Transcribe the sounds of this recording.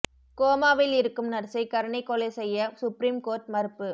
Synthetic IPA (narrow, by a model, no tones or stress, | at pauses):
koːmaːʋɪlɪɾɯkːɯmnɐɾsɐɪkɐɾɐɳɪkːɔlɐɪsɛjːɐsʊpɾiːmkoːɾʈmɐɾɯpːɯ